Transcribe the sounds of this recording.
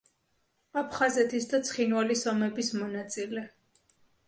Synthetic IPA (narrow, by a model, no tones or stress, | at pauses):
apʰχazɛt̪ʰisd̪at̪sʰχinvalisɔmɛbismɔnat̪sʼilɛ